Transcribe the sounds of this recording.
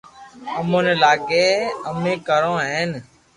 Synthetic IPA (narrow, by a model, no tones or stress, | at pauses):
əmõːneːlaːɡeːəmẽːkəɾõːɦeːn